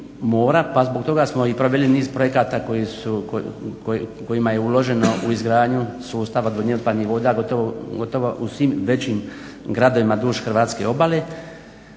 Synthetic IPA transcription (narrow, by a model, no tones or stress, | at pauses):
moːɾapazbok̚t̪o̞ɡasmo̞ipɾo̞ʋe̞liniːzpɾoje̞kaːt̪akojisuokoko̞imaje̞ulo̞ʒe̞no̞ʔuizɡɾaːdɲusuːst̪aʋaod̪ʋoɲeod̪pad̪niʋoːd̪aɡot̪ooɡo̞t̪o̞ʋoʔusʋimʋe̞t͡ɕim | ɡɾad̪o̞ʋimad̪uːʃxr̩ʋaːt̪ske̞obale